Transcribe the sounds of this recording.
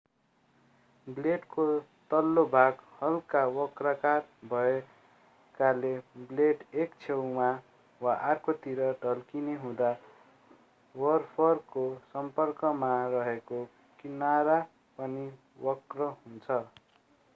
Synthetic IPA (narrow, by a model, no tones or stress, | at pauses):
bleʈkot̪ʌlːobʱaɡhʌlkawʌkrakarbʱʌe | kalebleʈekt͡sʰewma | waʔarkot̪iɾʌɖʱʌlkineɦũd̪a | wʌrpʰʌrkosʌmpʌrkʌmarʌɦeko | kinaɾa | pʌni | wʌkrʌɦunt͡sʰʌ